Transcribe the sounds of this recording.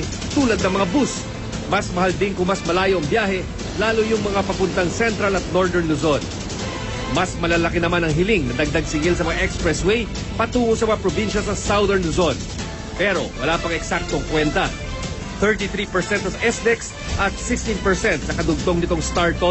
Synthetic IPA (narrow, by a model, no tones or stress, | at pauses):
t̪uːlɐd̪̚nɐŋmɐŋabus | mɐsmɐɦald̪ɪŋkʊŋmɐsmɐlaːjo̞ʔɐŋbjaːɦɛ | laːlojʊŋmɐŋapɐpʊnt̪ɐŋsɛnt̪ɾɐlɐt̪̚noɹd̪ɛɹnlʊzon | mɐsmɐlalɐkɪnɐmanɐŋɦɪlɪŋnɐd̪ɐɡ̚d̪ɐɡ̚sɪŋɪlsɐmɐŋaʔɛkspɹɛswɛj | pɐt̪uːŋosɐmɐŋapɾobinʃɐsɐsawðɛɹnlʊzon | pɛɾo̞wɐlaːpɐŋɛksak̚t̪oŋkwɛnt̪ɐ | θɛɹt̪iθɾipɛɹsɛnt̪osɐʔɛsd̪ɛks | ʔɐt̪̚sɪkst̪inpɛɹsɛnt̪̚sɐkɐd̪ʊɡ̚t̪o̞ŋnɪt̪o̞ŋst̪aɹt̪o